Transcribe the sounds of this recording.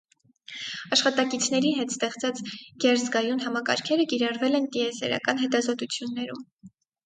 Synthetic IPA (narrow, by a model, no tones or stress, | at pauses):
ɑʃχɑt̪ɑkit͡sʰnɛɾiɦɛt̪st̪ɛχt͡sʰɑt͡sɡ̥ɛɾzɡɑjunɦɑmɑkɑ̰ɾkʰɛɾəkiɾɑrvɛlɛnt̪iɛsɛ̰ɾɑ̰kɑnɦɛt̪ɑzɔt̪ut͡sʰjunːɛɾum